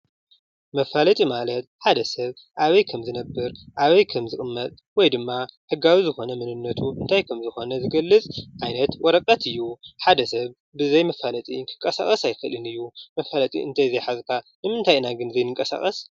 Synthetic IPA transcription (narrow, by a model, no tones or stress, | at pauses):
mɐfalɐt̪ʼimalɐt̪̚ħad̪ɐsɐβ | ʔaβɐjkʰɐmzɨnɐbːɨɾʔaβɐjkʰɐmzɨɣʼɨmːɐt̪ʼ | wɔjd̪ɨmːaħɨɡːawizɨxo̞nɐmɨnɨnːɐt̪ʰuʔɨnt̪ʰajkʰɐmzɨxo̞nɐzɨɡɐlːɨt͡sʼʕajnɐt̪wɔɾɐkʼɐt̪ʰɨjːuħad̪ɐsɐβ | bɨzɐjmɐfalɐt̪ʼiŋkʰɨ̥ŋkʼɐsa̰xʼɐsajfɐlɨnɨjːumɐfalɐt̪ʼḭʔɨ̰nt̪ʰajzejħazkʰanɨmɨnt̪ʰajɨnaɡɨnzɐjnɨŋkʼɐsa̰xʼɐs